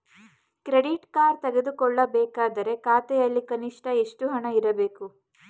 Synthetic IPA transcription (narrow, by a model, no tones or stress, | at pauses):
kɾeɽiʈkaːɾt̪eɡed̪ukɔɭːɐbɛːkaːd̪ɐɾe̞kaːt̪ɛjɐlːikɐniʂʈɐeʂʈuɦɐɳɐiɾɐbe̞ːku